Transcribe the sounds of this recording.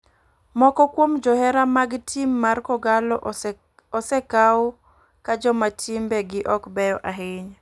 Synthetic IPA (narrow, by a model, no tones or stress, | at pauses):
mɔkɔkwomd͡ʒɔhɛɾamaɡtʰimːarkɔɡalɔ | ɔsɛkawɔ | kad͡ʒɔmatʰɪmbɛɡɪʔɔkbɛjɔʔaɦɪɲ